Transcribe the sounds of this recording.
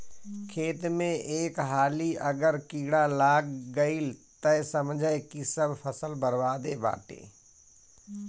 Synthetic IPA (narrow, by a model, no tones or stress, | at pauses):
kʰeːt̪mẽʔeːkɦaːliʔəɡəɾkiːɽalaːɡːəilt̪əsəmd͡ʒʱəekisəbʱpʰəsəlbəɾʋaːd̪eba̰ːʈḛː